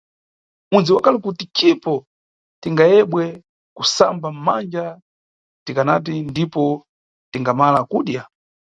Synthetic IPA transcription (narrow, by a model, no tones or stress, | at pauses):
unziwakʰalɛkutit͡ʃipɔ | tiŋɡajɛɓwɛ | kusambammand͡ʒa | tikanat̬indipɔ | tiŋɡamalakuːɗja